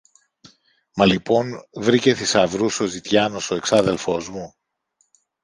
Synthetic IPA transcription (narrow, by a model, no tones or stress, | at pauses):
mɐlipo̞nvɾice̞θisɐvɾuso̞zit̪ʝɐno̞so̞e̞ksɐðe̞lfo̞zmu